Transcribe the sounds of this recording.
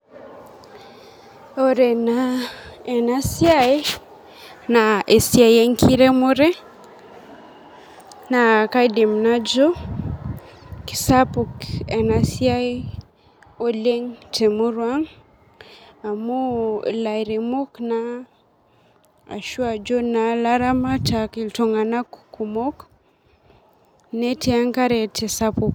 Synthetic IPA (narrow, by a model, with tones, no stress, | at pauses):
ɔɾɛ˨na | ɛ˨nasjae˦ | nae˨sia˨jɛ˦ŋkʰi˦ɾɛ˦mo˦ɾɛ˦ | na˨ka˦jdɛ˨mna˦d͡ʒɔ˦ | ki̥˨sapu˨kɛnasja˦e | ɔ˦lɛ˦ŋtʰɛ˨mu˦ɾwa˦ŋ | a˨mula˨jɾɛmo˦kna | a̰˨ʃu˦a˨d͡ʒɔ˦nalaɾa˦ma˦taki˨ltɔ˨ŋɡa˨na˦kuku˨mɔ˦k | nɛ˦tɛa˦ŋka˦ɾɛ˨tɛ˨sapuk